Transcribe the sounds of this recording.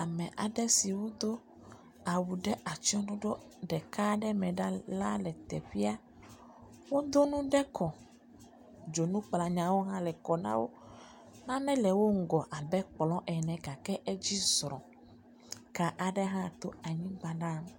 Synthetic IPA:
a˨mɛ̃˨ʔa˨ɖɛ˦si˨wo˦d̪o˦ | a˨wu˨ɖɛ˦ʔa˨t͡ʃi˦ɔ̃˦ɖo˦ɖo˦ | ɖɛ˨ka˦ɖɛ˦mɛ̃˨ɖa˦la˦lɛ˨t̪ɛ̰˨ɸi˦a˦ | wo˦d̪o˦nũ˦ɖɛ˦kʰɔ˨ | d͡ʒo˨nũ˦k͡pla˨ɲã˨wo˦ɦã˦lɛ˨kɔ˨nã̰˦wo̰˦ | nã˦nɛ̃˦lɛ˨wo˦ŋ̩˦ɡɔ˨ʔa˨bɛ˦k͡plɔ̃˦ʔɛ˨nɛ̃˨ka˨kɛ˦ʔɛ˦d͡ʑi˦zɾɔ̃˨ | ka˨ʔa˨ɖɛ˦ɦã˦˨t̪o˦a˨ɲĩ˦ɡ͡ba˦ɖa˦˨m

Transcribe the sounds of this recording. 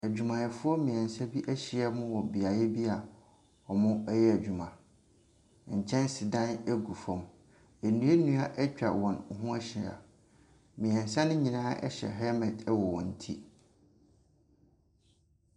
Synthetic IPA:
æ˨d͡ʑᶣu˨mã˨jɛ˨fʊ˦ɔ˦mĩ˨ɛ̃˨n˨sa˦bi˦ʔæ˦ɕɪ˨ɛ˦mʊ̃˦wɔ˨bi˨a˨jɛ˦bi˦a˨ | ɔ˨mʊ̃˦ɛ˦jɛ˦æ˨d͡ʑᶣu˨mã˨ | ɲ̩˨t͡ɕʰɛ̃˦n˦si˨dã˦nɛ˦ɡu˨fɔ̃˨m | æ˨nũ˦e˦nũ˦a˦ʔɛ˦t͡ɕᶣa̰˨wɔ̃˨n˨ɦũ˦a˦ɕɪ˨a̰˨ | mĩ˨ɛ̃˨nsa˦nʊ̃˦ɲĩ˨nãː˦ʔɛ̰˦ɕɛ̰˨ɦɛ˦mɛ̃˨dɛ˦wɔ˨wɔ̃˨n̩˨tʰi˦

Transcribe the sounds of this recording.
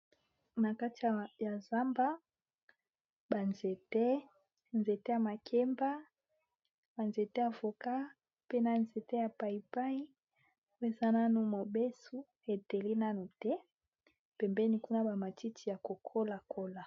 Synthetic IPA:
na˨ka˦ti˨a˨ja˨za˦mba˦ | ba˨nze˨tɛ˦ | nze˨te˦ja˨ma˨kʰe˦mba˦ | ba˨nze˨te˦a˨vo˨ka˦ | pe˦na˦˨nze˨te˦a˨pa˨i˨pa˦i˦ | wo˦e˦˨za˦na˦nu˨mo˨be˦su˦ | e˨te˨li˦na˦nu˨tɛ˦ | pɛ˨mbɛ˦ni˨ku˦na˦ba˨ma˨ti˦tʰi˨ja˨ko˨kʰo˦la˨kʰo˦la˨

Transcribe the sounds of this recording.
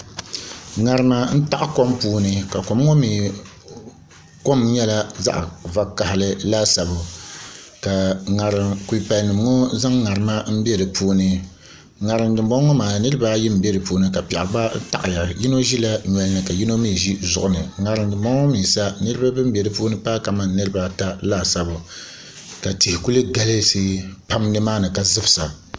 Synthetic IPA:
ŋa˨ɾɨ˦ma˨n̩˦ta˦ʔa˦ko˦mpuː˦nɨ˦ka˨ko˨m˦ŋo˦miː˨ | ko˦mɲɛ˦la˦za̰˦ʔva˦kːa˨hlɨ˦laː˦sa˨bʊ˨ | ka˨ŋa˨ɾɨ˨mku˨i˨pa˨lnɨ˨m˨˦ŋo˦za˦ŋːa˨ɾɨ˨ma˦m̩˦be˦ɾɨ˨pʰuː˦nɨ˦ | ŋa˨ɾɨ˨ndɨ˨mbɔ˦ɔ˦maː˨nɨ˦ɾɨ˦ba˦ji˦m̩˨bɛ˦ɾɨ˨poː˦nɨ˦ka˨pɛ˨ʔba˦n̩˦ta̰˨ʔɪ˨ja˨ji˦no˦ʒi˦la˦ɲɛ˨lnɨ˨ka˨ji˦no˦miː˦˨ʒi˦zʊ˨ʔʊ˦nɨ˨ŋa˨ɾɨ˨ndɨ˨mbɔ˦ŋɔ˦miː˨sa˦nɨ˦ɾɨ˦ba˦bɨ˦m˦be˨ɾɨ˨poː˦nɨ˦paː˦ka˨ma˦nɨ˦ɾɨ˦ba˦ta˦laː˦˨sa˨bʊ˨ | ka˨ti˨hɪ˨ku˦lɨ˦ɡa˦lɨ˦seː˦pa˦mnɨ˦maː˦nɨ˨ka˨zɨ˦bɨ˨sa˨

